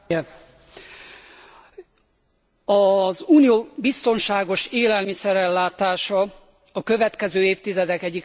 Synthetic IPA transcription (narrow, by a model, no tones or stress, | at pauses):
ɛ | ɒzuːnijoːbist̪o̞nʃaːɡo̞ʃeːlɛlmisɛɾɛlːaːt̪aːʃɒ | ɒkø̞vɛt̪kɛzøːeːft̪izɛd̪ɛkɛɟːik